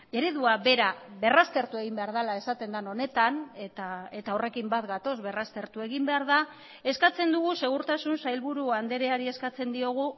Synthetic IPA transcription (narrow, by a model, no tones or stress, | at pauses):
eɾeðuaβe̞ɾaβe̞rast̪e̞ɾt̪ue̞ɣimbe̞aɾð̞alae̞sat̪e̞nd̪ano̞ne̞t̪anet̪ae̞t̪ao̞re̞kimbat̪ɡat̪o̞zβe̞rast̪e̞ɾt̪ue̞ɣimbe̞aɾða | e̞skat͡se̞nd̪uɣ̞use̞ɣ̞uɾt̪asunsajlβuɾuand̪e̞ɾe̞aɾie̞skat͡se̞nd̪io̞ɣ̞u